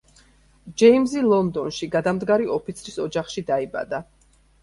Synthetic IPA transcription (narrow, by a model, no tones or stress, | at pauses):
d͡ʒɛimzilˠɔnd̪ɔnʃiɡad̪amd̪ɡaɾiʔɔpʰit̪sʰɾisɔd͡ʒaχʃid̪aiba̰d̪a